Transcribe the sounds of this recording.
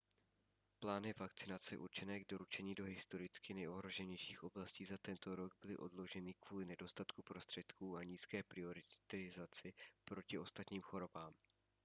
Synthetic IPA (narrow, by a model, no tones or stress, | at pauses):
plaːnɪvakt͡sɪnat͡sɛʔṵɾt͡ʃɛnɛːɡ̚do̞ɾut͡ʃɛɲiːdo̞ɦɪst̪o̞ɾɪt͡skɪnɛjo̞ɦɾo̞ʒɛɲɛjʃiːxʔo̞blasciːzat̪ɛnt̪o̞ɾo̞ɡ̚bɪlɪʔo̞dlo̞ʒɛnɪkvuːlɪnɛdo̞st̪at̪kupɾo̞st̪r̥ɛt̪kuːaɲiːskɛːpɾɪo̞ɾɪt̪ɪzat͡sɪpɾo̞cɪʔo̞st̪at̪ɲiːmxo̞ɾo̞baːm